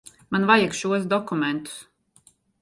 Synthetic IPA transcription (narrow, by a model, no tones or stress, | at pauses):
manvajaɡʃuɔsd̪ɔkumɛnt̪u̥s